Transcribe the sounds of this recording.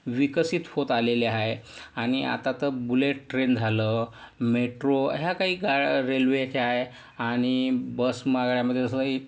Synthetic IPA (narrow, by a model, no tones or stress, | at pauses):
ʋikəsit̪fot̪aleleaɦeaɽ̃ia̰t̪at̪əɾbuleʈːɾend͡zʱaləː | meʈɾoɦjakaɦiːɡaɾelʋekʰeaɦe | aɽ̃ibəsmaɡɭjaməd̪ʱjet̪əsəkaɦiː